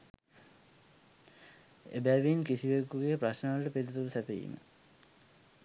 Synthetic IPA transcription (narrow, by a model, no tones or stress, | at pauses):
ḛbæʋinkisiʋekːuɡeprasnəʋalʈəpiɾut̪ulusæpejḭmə̰